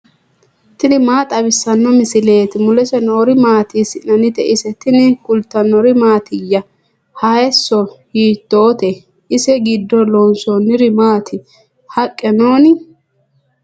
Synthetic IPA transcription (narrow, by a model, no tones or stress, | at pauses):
t̪ɪnɪmaːt̪ʼɐbɪsːɐnːɔmɪsɪle̞ːt̪ɪmʊlɛsɛnɔːɾɪmaːt̪isɪnɐnɪt̪ɛʔɪsɛt̪ɪnɪkʊlt̪ːɐnːɔɾɪmaːt̪ɪjːɐ | hɐjɛsːɔhiːt̪ːo̞ːt̪ɛ | ʔɪsɛɡɪd̪ːɔloːnsonɪɾɪmaːt̪ʰɪ | hɐkʼːɛnoːnɪ